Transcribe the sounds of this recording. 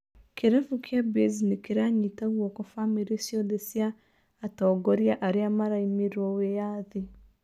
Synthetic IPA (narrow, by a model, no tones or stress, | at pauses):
keɾɛfukʰjabezinekeɾaɲitaɣwɔkɔfameɾesjɔðesjaː | tɔːɡɔɾjaʔaɾeamaɾaimiɾɔwejaðe